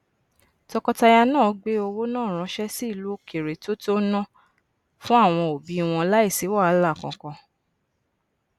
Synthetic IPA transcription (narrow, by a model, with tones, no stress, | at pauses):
tɔ˧kɔ˧ta˧ja˧nãː˦˨˦ɡ͡be˦o˧wo˦nãː˦˨ɾ̃ã˨˦ʃɛ˦si˦˨lu˦ke˨ɾe˨to˦to˦nɔ̃˦ | fũ˦a˦˨w̃ɔ̃˧o˨bi˨˦˧w̃ɔ̃˧la˦i˦˨si˨˦wa˦˨a˨˦la˦˨kɔ̃˧kɔ̃˧